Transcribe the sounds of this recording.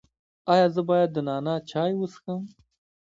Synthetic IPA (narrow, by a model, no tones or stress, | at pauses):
ɑjɑːzəbɑːjad̪ːənɑːnat͡ʃʰɑːjwəsxəm